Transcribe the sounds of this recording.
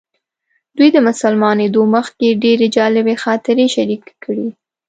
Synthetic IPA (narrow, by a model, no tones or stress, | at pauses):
d̪̥ujd̪əmʊsalmɑned̪oməxkeɖeɾed͡ʒɑlɪbexɑt̪ɪɾeʃaɾikkːəɽi